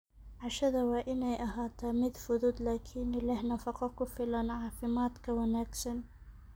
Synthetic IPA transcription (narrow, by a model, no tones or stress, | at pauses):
ʕaʃɐðɐwaːʔɪnɛjʔɐɦaːt̪ʰaːmɪd̪fʊðuːd̪laːkʰɪnɪlahnɑfɑqɑkʊfɪlanʕɑːfɪmaːt̪kʰɐwanaːɡsɐn